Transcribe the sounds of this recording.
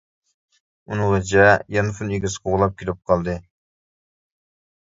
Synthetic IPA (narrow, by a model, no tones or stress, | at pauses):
unɨŋʁɑt͡ʃʰɛjɑnfuneɡʲɪsqʰoʁlˠɑp̚kʲʰilɪp̚qʰɑlˠd̪ɨ